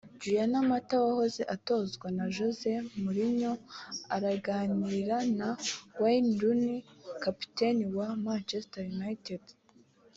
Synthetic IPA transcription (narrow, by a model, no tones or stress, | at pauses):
d͡ʒujanamatawaho̞zeʔato̞zɡwanaʒoze̞muɾiɲo̞aɾaɡaːniɾanawaindunikapi̥te̞niwamant͡ʃestajunaited